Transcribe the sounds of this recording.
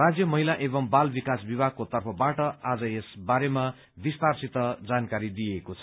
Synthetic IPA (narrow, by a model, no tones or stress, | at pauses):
rad͡zjʌmʌɦilaʔebʌmbalbikasbibʱaɡ̚kot̪ʌrpʰʌbaʈʌad͡zʌesbaɾema | bist̪arsit̪ʌd͡zankaɾid̪ijekot͡sʰʌ